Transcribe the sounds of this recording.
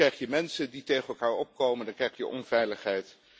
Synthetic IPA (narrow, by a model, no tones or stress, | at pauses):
ɛjχjəmɛnsənditejχəɛlˠkaːɹɔp̚kowməndɑŋkrɛjχjə̰ʔɔ̰nvɛjləχɦɛjt